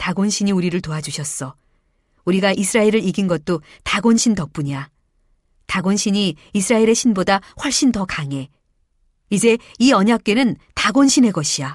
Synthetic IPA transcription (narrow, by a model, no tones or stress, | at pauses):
taɡonɕʰiɲiuɾiɾɯɭtoad͡ʑuɕʰʌs͈ʌ | uɾiɡaʔisʰɯɾaeɾɯɾiɡinɡʌt̚t͈otaɡonɕʰintʌk̚p͈uɲa | taɡonɕʰiɲiː | sʰɯɾaeɾe̞ɕʰinbodaɸwʌɭɕ͈intʌkaŋe̞ | id͡ʑe̞iʌɲak̚k͈e̞nɯntaɡonɕʰine̞ɡʌɕʰija